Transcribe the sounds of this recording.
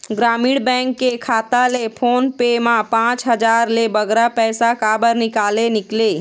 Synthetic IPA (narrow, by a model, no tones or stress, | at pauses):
ɡɾamiɽbɛ̃ŋkːekʰat̪alepʰonpemãpãt͡ʃɦəd͡ʒaɾlebəɡɾapɛsakabəɾnikalenikle